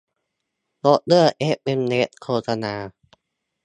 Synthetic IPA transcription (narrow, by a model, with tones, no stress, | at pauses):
lo˦˥t̪̚lɯ˥˩ɐʔe˦˥p̚ʔe˧mne˦˥t̪̚kʰoː˧sa˧naː˧